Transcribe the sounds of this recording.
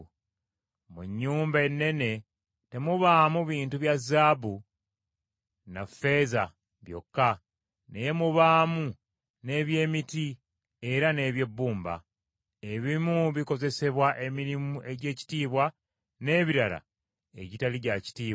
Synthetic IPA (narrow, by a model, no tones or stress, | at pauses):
muɲːuːmbae̞nːe̞ne̞ | te̞muβaːmuβiːntuβjazːaːβu | nafe̞za | βjo̞̰kːa | neje̞muβaːmu | ne̞ːβje̞ːmiti | e̞ɾane̞ːβje̞bːuːmba̰ | e̞βimuβiko̞ze̞se̞βwaʔe̞miɾimuʔe̞ɟe̞ːci̥tiːβwa | ne̞ːβiɾala̰ | ḛɟitaliɟaci̥tiːβ